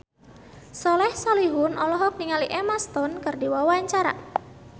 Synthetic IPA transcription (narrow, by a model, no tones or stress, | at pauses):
sɔlɛhsɔliɦʊnɔlɔɦɔk̚niŋaliʔemast̪ɔnkərdiwawaɲt͡ʃaɾa̰